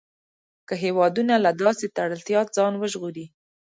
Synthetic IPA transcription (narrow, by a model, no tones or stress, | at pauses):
kəɦewɑd̪unalad̪ɑset̪aɽəlt̪jɑt̪̚zɑnwəʒɣuɾi